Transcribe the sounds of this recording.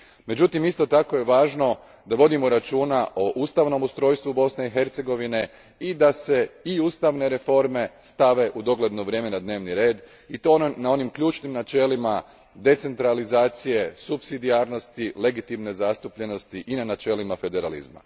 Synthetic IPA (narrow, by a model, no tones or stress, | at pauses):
me̞d͡ʑut̪imist̪o̞t̪ako̞je̞ʋaːʒno̞ | d̪aʋo̞d̪imoɾat͡ʃuːnaʔoʔust̪aʋno̞must̪ɾo̞ːjst̪ʋubo̞sne̞ixe̞ɾt̪se̞ɡo̞ʋine̞ | id̪ase̞iuːst̪aʋne̞ɾe̞fo̞ɾme̞st̪aʋe̞ʔud̪o̞ɡle̞d̪noʋɾʲjeːme̞nad̪ne̞ːʋniɾe̞ːd̪ | it̪onao̞nimkʎuːt͡ʃnimnat͡ʃe̞ːlima | d̪e̞t̪se̞nt̪ɾalizaːt̪sije̞supsid̪iaɾno̞st̪ile̞ɡit̪imne̞zast̪upʎe̞no̞st̪iʔinanat͡ʃe̞ːlimafe̞d̪e̞ɾalḭzma̰